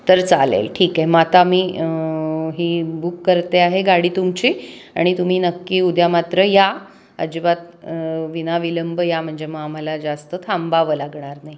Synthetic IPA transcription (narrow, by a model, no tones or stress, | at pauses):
t̪əɾt͡salḛlʈʰiːkaɦimat̪amiː | ɦibukːəɾt̪eaɦeɡaɽiːt̪umt͡ɕia̰ɽ̃it̪um̤iːnəkːiːud̪jamat̪ɾəja | ə̰d͡ʑibat̪ | ʋinaʋiləmbjam̤əɳd͡zeməam̤alad͡zast̪ət̪ʰambaʋəlaɡɳaɾnai